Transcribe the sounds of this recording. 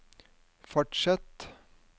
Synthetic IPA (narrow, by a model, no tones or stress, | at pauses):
fɔʈʂɛt̪